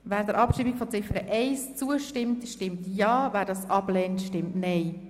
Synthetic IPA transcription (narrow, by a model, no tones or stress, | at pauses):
væːɾd̥əɾʔɑpʃiːmikfɔt͡sɪfəɾəʔɛɪst͡suəʃtɪmtʃtɪmtjɑːvæːɾdɑsʔɑblɛːntʃtɪmtnɛɪ